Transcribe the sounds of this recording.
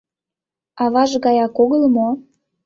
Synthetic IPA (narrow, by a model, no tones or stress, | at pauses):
ɑβɑʒɣɑjɑkoɣəlmo